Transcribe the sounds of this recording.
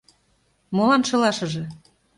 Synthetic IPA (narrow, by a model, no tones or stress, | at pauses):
molɑnʃɤ̆lɑʃɤ̆ʒĕ